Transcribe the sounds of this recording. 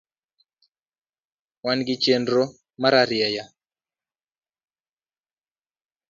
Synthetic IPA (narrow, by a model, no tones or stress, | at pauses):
wanɡit͡ʃendɾo | maɾaɾjɛja